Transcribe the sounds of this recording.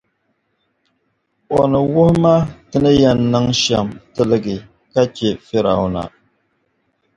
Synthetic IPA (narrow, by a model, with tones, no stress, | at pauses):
ɔ˨nɨ˨wʊ˦hma˦tɨ˦nɨ˦jɛ˨nːɨ˦ŋʃɛ˨mtɨ˦lɨ˦ɡɨ˨ | ka˦t͡ʃe˦fe˦ɾa˨wna̰˨